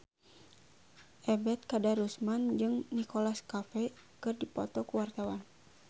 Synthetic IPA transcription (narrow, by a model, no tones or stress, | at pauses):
ʔɛbɛt̪̚kadaɾusmand͡ʒɨŋnikolaskafɛ | kɨrdipɔ̰t̪ɔkuwart̪awan